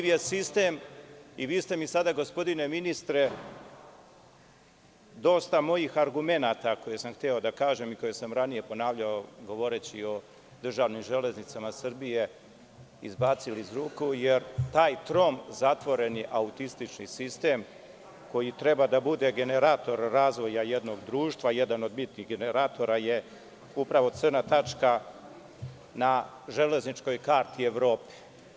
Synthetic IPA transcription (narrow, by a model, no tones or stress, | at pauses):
ʋjesist̪e̞miʋiːst̪e̞misad̪aɡo̞spo̞d̪ine̞minist̪ɾe̞ | d̪o̞ːst̪amo̞jixaɾɡume̞naːt̪ako̞jesamxt̪io̞d̪akaːʒemiko̞jesamɾanije̞po̞naːʋʎaoɡo̞ʋo̞ɾe̞t͡ɕio̞ | d̪r̩ʒaːʋnimʒe̞le̞znit̪samasrbije̞ | izbaːt̪silizɾuːkuje̞ɾt̪aːjt̪ɾo̞mzat̪ʋo̞ɾe̞niʔaut̪ist̪it͡ʃnisist̪e̞ːm | ko̞jit̪ɾe̞bad̪abud̪e̞ɡe̞ne̞ɾaːt̪o̞ɾːaːzʋo̞jaje̞d̪no̞ɡd̪ɾuːʃt̪ʋaje̞d̪ano̞d̪mit̪niɣɡe̞ne̞ɾaːt̪o̞ɾaje̞ | upɾaʋo̞t̪sərnat̪at͡ʃka | na | ʒe̞le̞znit͡ʃko̞jkaːɾt̪ieʋɾo̞ːpe̥